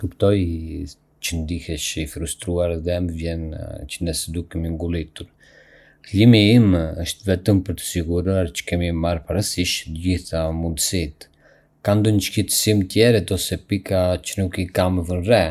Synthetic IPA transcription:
kupt̪ɔj | t͡ʃənd̪ihɛʃifɾust̪ɾuaɾðɛməvjɛnt͡ʃənɛsɛd̪ukɛmiŋɡulˠit̪uɾ | limiiməʃt̪vɛt̪əmpəɾt̪ə̥siɡuɾɔaɾt͡ʃə̥kɛmimaɾpaɾasiʃt̪ɟiθamund̪əsit̪ | kand̪ɔɲəʃkit̪ə̥simt̪jɛɾɛd̪ɔsɛpikacənukikaməvənrɛ

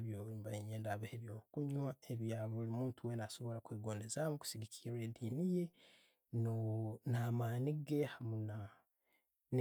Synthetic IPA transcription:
βjoβimbaiɲeːndaβeheβjoːukuɲwae̞βjaːβolimuːntʰuwe̞naso̞βo̞lakwiːɡo̞ne̞zamuku̥siɡicʰiɾwedinije̞ | nonamaːniɡe̞hamuna | n

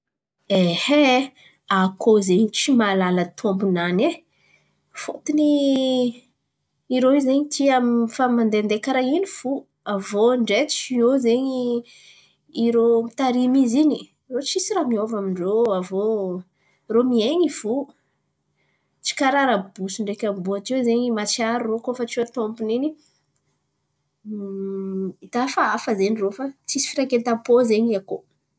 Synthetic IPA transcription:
ehe | akʰozeɲit͡ʃimalalət̪ʰombunane | fot̪ini | ɾowizeɲit̪ʰiamifamand̪eand̪ekaɾainiv̥u | avoɳɖ͡ʐet͡ʃiozeɲi | ɾomit̪aɾimizini | rot͡sisiɾamiovamiɳɖ͡ʐoavo | romieɲiv̥u | t͡si̥kaɾaɾabusiɳɖ͡ʐekʲambuat͡ʃiwzeɲimat͡siaɾurokofat͡siat̪ompunini | it̪afaafəzenirofat͡sisi̥fiɾakent̪ampozeɲiako

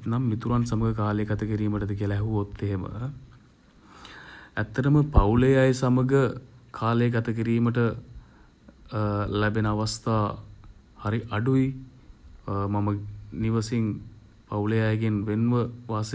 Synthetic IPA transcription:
namːit̪uɾansaməɡəkaːlejəɡat̪əkiɾiːməʈəd̪ək̬iəlɛɦuot̪ːeɦemə̰ | æt̪ːəʈəməpawlejajsaməɡəkʰaːləjəkat̪əkiɾiːməʈə | læbenəaʋast̪aː | haɾiʔaɖui | maməniʋəsin | pawlejajəɡenʋenʋəʋaːs

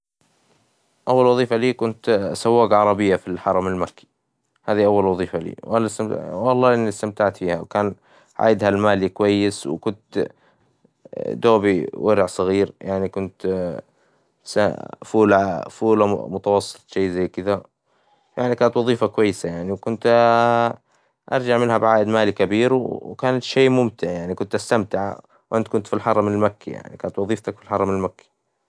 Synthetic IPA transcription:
ʔawːalwɑðˤiːfaliːkʊnt̪sawːaːɡʕɑɾˤɑbɪjːafilħɑɾˤɑmɪlmakʰːi̥ | haːðiʔawːalwɑðˤiːfalḭːwʔɑlːst̪amwɑlˤːɑːʔɪnːist̪amt̪aʕt̪fiːhawkaːn | ʕa̰ːjɪd̪halmaːlikwajːɪswkʊnt̪ | d̪oːbiwʔɪɾʕsˤɨɣiːɾjaʕnikʊnt̪ | sa̰fuːlafuːlamʊt̪ɑwɑsˤːɨ̥t̪ˤʃeːzajːkɪd̪a | jaʕnikaːnat̪wɑðˤiːfakwajːɪsajaʕniwkʊnt̪ | ʔɑ̰ɾˤd͡ʒaʕmɪnɦabʕaːʔɪd̪maːlikabiːɾwkaːnat̪ʃeːmʊmt̪ɪʕjaʕnikʊnt̪ʔast̪amt̪ɪʕa | wʔant̪̚kʊnt̪filħɑɾˤːɑmɪnɪlmakːija̰ʕnikaːnat̪wɑðˤiːft̪akfilħɑɾˤɑmɪnɪlmakːḁ

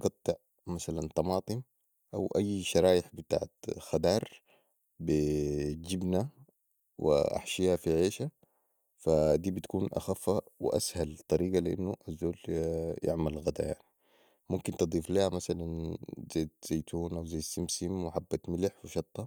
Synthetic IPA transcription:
ɡɑt̪ˤːɨʕ | masalant̪ˤɑmɑːt̪ˤɨm | ʔawʔajːʃɑɾˤɑːjɪħbɪt̪a̰ːʕat̪xad̪ɑːɾˤ | bid͡ʒibna | wḭʔa̰ħʃiːhafiʕeːʃa | fad̪iːbit̪kuːnʔa̰xafːawɪ̰ʔashalt̪ˤɑɾiːɡalɪʔa̰nːuʔazːoːlja̰ʕmalɣad̪a̰ja̰ʕni | mumkint̪ɨd̪ˤiːfliːhamasalanz̥ajːt̪z̥ajt̪ʰuːnʔawzajːt̪simsimwɪħabːat̪mɪlħwiʃɑt̪ˤːɑ

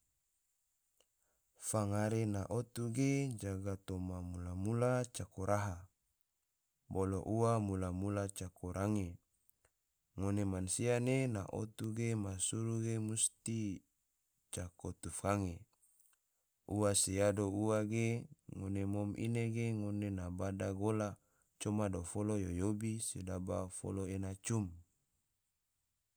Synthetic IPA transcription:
faŋaɾenaʔot̪uɡed͡ʒaɡat̪omamulamulat͡ʃakoɾaɦa | boloʔuwamulamulat͡ʃakʰoɾʔaŋe | ŋonemansianena̰ʔot̪uɡemasuɾuɡemust̪i | t͡ʃakot̪ufkaŋe | uwasejadouwaɡeŋonemomʔḭneɡeŋonenabadaɡola | t͡ʃomadofolojojobisedabafo̰loenat͡ʃum

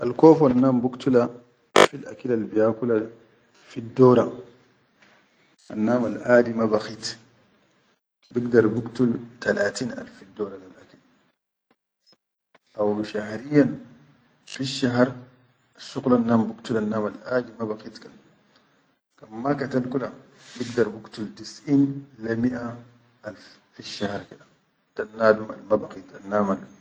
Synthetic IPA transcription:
ʔalkoːfanːaːmbukt̪ula | filʔa̰kilalbijaːkula | fid̪oːɾa | ʔa̰nːaːmalʔaːdimabaxiːt̪ | biɡd̪aɾˤbukt̪ult̪alaːt̪iːnʔa̰lfːid̪ːoːlalilʔakil | ʔawʃahɾijːan | fiʃːaɦɾˤ | aʃːuqlanːaːmbukt̪ulanːaːmalʔaːd͡ʒimabaqiːt̪kan | kanːakat̪alkula | biɡd̪ɑɾˤbukt̪ult̪isʔiːnlamiʔa | ʔalf | fiʃːahɾˤkida | t̪anːaːd̪uma̰lmabaqiːt̪anːaːmal

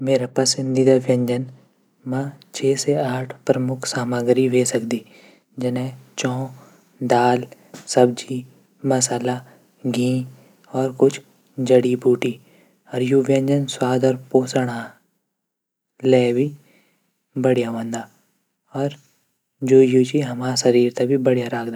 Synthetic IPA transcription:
meːɾapɐsɪ̃nd̪id̪aʋjɐ̃ɲd͡ʒən | mãt͡ʃʰeːseaːʈʰpɾəmʊkʰsaːməɡɾiʋeːsəkd̪iː | d͡ʒɪnẽt͡ʃɔ̃ː | d̪aːl | sɐb̚d͡ʒi | mɐsaːla | ɡĩː | ɔːɾkʊt͡ʃʰ | d͡ʒəɽibʱuːʈi | ɔːɾjuʋjə̃ɲd͡ʒənswaːd̪əɾpoːsəɽ̃aː | lɛːbʱi | bəɽijaʋə̃nd̪aː | ɔːɾ | d͡ʒoːjuːt͡ʃiɦɐmaːsɐɾiːɾt̪abʱibəɽjaɾaːkʰd̪aː

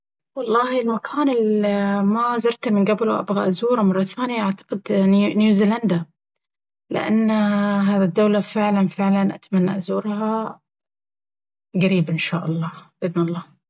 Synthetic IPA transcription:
wɑlˤːɑːhilmakʰaːnɪlmazɑɾˤt̪mɪnɡablwʔa̰bɣaʔazuːɾamɑrˤːɑθaːnɪjaʔaʕt̪ḁqɪd̪njuːziːland̪a | lɪ̰ʔa̰nːɦaːðid̪ːawlafɪʕlanfɪʕlanʔa̰t̪amanːaʔazuːɾɦa | ɡaɾiːbʔɪnʃaːʔɑlˤːɑːʔɪðnɑlˤːɑː

